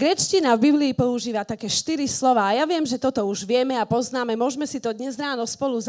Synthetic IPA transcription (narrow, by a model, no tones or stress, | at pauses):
ɡɾɛt͡ʃcinavbibliːpɔuʒiːʋat̪akɛːʃt̪iɾislɔʋaːjaʋɪɛmʒɛt̪ɔt̪ɔuʒʋɪɛmɛapɔznaːmɛmʊɔʒmɛsit̪ɔd̪ɲɛzɾaːnɔspɔluz